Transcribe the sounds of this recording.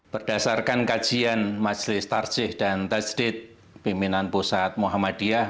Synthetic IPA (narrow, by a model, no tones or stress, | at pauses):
b̥ərd̥asarkankḁd͡ʒ̥ianmḁd͡ʒlɪst̪ar̥d͡ʒ̥ɪhd̥ant̪ad͡ʒdɪt̪̚ | pimpinanposat̪̚moɦamad̥ia